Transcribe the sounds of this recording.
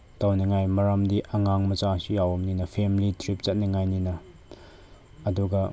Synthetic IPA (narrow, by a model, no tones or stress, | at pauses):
tawniŋajmɐɾamdiʔɐŋaŋmɐt͡ʃasujawɐmninɐpʰemlitɾip̚zɐt̚niŋajninɐ | duɡɐ